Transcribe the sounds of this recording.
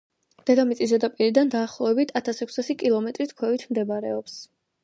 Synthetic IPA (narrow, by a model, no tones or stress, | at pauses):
d̪̥ɛd̪amit̪sʼizɛd̪apʼiɾid̪and̪aːχlˠɔvɛbit̪ʰat̪ʰasɛkʰsasikʼilˠɔmɛt̪ʼɾit̪ʰkʰwɛvit̪ʰmd̪ɛbaɾɛɔps